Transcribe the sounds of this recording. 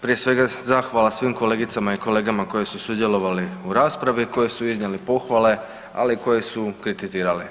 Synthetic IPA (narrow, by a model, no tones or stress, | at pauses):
pɾije̞sʋe̞ɡazaːxʋalasʋimko̞le̞ːɡit̪samaiko̞le̞ːɡamako̞jesusud̪je̞lo̞ʋaliuɾaːspɾaʋiko̞jesuizɲelipo̞xʋale̞ | a̰liko̞jesukɾit̪iziːɾali